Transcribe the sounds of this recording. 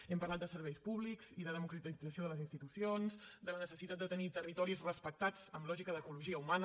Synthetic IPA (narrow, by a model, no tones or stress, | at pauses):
ɛmpəɾlat̪̚d̪əsəɾβ̞ɛjspuβlikz̥iðəð̞əmukɾət̪id͡zəsioðələzinst̪it̪usionzd̪ələnəsəsit̪at̪̚d̪ət̪ənit̪ərit̪ɔɾizrəspək̚t̪ad͡zəmlɔʒikəðəkuluʒiəuman